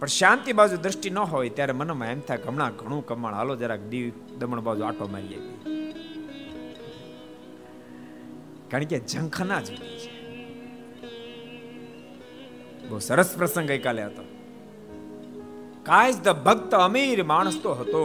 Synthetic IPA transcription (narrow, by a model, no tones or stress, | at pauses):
pəɳʃãːnt̪ibad͡ʒud̪ɾəʃʈinəɦojt̪jaːɾemənəmãemt̪ʰaɡʱəmɳãːɡʱəɽ̃ũːkəmːaɳ̃a̰ːlod͡ʒaɾakdiːʋ | d̪əməɳbaːd͡ʒua̰ːʈʰoːmḛɾjḛt̪i | kaɳ̃ked͡ʒʱə̃ŋkʰənad͡ʒəit͡ʃʰe̥ | boːwsəɾəspɾəsə̃ŋɡəjkaːleɦət̪o | kaːjd͡ʒd̪əbʱəɡt̪əːmiːɾmaːɽ̃əst̪oɦət̪oː